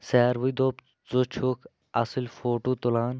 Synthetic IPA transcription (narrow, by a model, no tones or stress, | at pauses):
sɛːɾʋuid̪oːp | zot͡ʃʰuk | ɐsilfoːʈuːt̪ulaːn